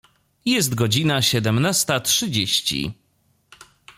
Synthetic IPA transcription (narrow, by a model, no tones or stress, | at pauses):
jɛst̪ɡɔd͡ʑinaɕɛd̪ɛmnast̪atʂɘd͡ʑeɕt͡ɕḭ